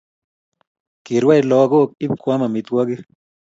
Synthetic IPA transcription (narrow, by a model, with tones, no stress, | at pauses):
ki˨ɾwa˦jlɔ˧˦a˧ɡo˦k̚i˦b̚kʷa˦ma˨mi˨˧t̪ɡʷa˦ɡi˦